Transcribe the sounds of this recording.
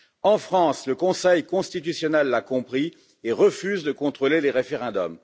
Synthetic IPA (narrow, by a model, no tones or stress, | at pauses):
ɑ̃fχɑ̃sləkɔ̃sɛjkɔ̃st̪it̪̬ysjɔnɛlːakɔ̃pχi | eʁəfyzd̪əkɔ̃t̪χoleleʁefeʁɛ̃d̪ɔ̰m